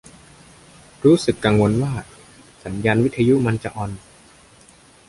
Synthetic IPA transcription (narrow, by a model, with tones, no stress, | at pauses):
ɾuː˦˥sɯ˨˩kːaː˧ŋwo˧nwaː˥˩ | sa˩˦njaː˧nwi˦˥t̪ʰːa˧ju˦˥ʔma˧nt͡ɕa˨˩ʔɔː˧n